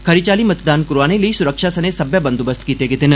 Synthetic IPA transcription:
kʰɐɾit͡ʃaːlimɐt̪d̪aːnkʊɾaːneləisʊɾəkʃasɐnesɐbjabə̃nd̪ubəst̪ʰkiːt̪eɡɪt̪ɪn

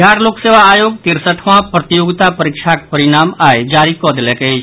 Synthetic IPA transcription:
dʱjaɾlokseʋaːjoːɡt̪iɾsəʈʰʋãpɾət̪ijoɡt̪apəɾikʃʰak̚pəɾiñamaed͡ʒaɾikɔd̪leket͡ʃʰ

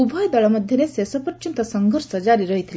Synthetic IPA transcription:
ubʱɔjd̪ɔɭɔməd̪ʱjɔnesesɔpɔt͡ʃunt̪ɐsəŋɡʱɔɾsəd͡ʒaɾiɾəɦit̪ʰile

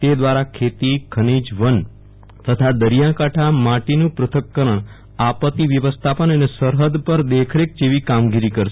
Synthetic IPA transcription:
t̪ed̪ʋaɾakʰet̪ikʰənid͡ʒʋən | t̪ət̪ʰad̪əɾijãkaʈʰamaʈinũpɾət̪ʰəkːəɾəɳ̃ | apət̪iʋjəʋəst̪ʰapənənesəɾɦəd̪pəɾd̪ekʰɾek̚d͡ʒeʋikamɡiɾikəɾʃ

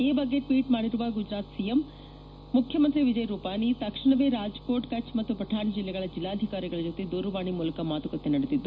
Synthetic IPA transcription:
eːbɐɡːeʈʋiːʈmaːɽiɾuʋɐɡud͡ʒɾaːt̪sijemː | ukʰjɐmɐnt̪ɾiʋid͡ʒɐjɾuːpaːnit̪ɐkʂiɳɐʋeːɾaːd͡ʒkoːʈkɐt͡ʃmɐt̪ːupɾɐd̪ʱaːnid͡ʒilːɛɡɐɭɐd͡ʒilːaːd̪ʱikaːɾiɡɐɭɐd͡ʒoːt̪ed̪uːɾuʋaːɳimuːlɐkɐmaːt̪ukɐt̪ːenɐɽet̪id̪ːu

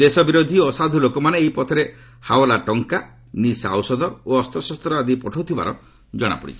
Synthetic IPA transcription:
d̪esɔbiɾod̪ʱiɔsad̪ʱulokɔmaneːɦipɔt̪ʰɔɾe | hawlaʈɔŋka | nisa̰wsɔd̪ɔoɔst̪ɔsɔst̪ɾɔad̪ipɔʈʰot̪ʰiba̰ɾɔ | d͡ʒɔɽ̃a̰pɔ̰ɽḭt͡ʃʰi̥

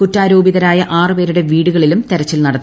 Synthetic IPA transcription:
kutːaːɾoːbiðɐɾaːjɐʔaːrɨpe̞ːɾuɽe̞ʋiːɽuɣɐɭilumt̪e̞ɾɐt͡ɕːilnɐɽɐt̪ː

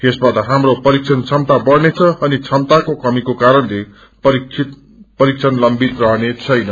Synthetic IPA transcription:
esbat̪ʌɦamropʌɾik̚t͡sʰʌnt͡sʰʌmt̪abʌrnet͡sʰʌʌnit͡sʰʌmt̪akokʌmikokaɾʌnle | pʌɾikʰit̪ | pʌɾik̚t͡sʰʌnlʌmbit̪rʌɦnet͡sʰʌjnʌ

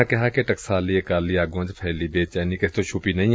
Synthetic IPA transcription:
akɪɦakeʈɐksaːliekaːliaːɡũə̃d͡ʒpʰɛːlibeːt͡ʃaːnikɪst̪oʃʰupinɐɦĩ

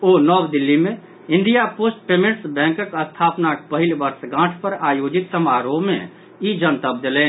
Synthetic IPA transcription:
oːnɔːwd̪ɪlːimẽ | ɪ̃nd̪ijapoːsʈ̚peːmẽʈsbɛ̃ːŋkəkəst̪ʰaːpnak̚pəɦɪlbəɾsɡãːʈʰpəɾaːjoːd͡ʒɪt̪səmaːɾoːmẽ | id͡ʒənt̪əb̚d̪elẽː

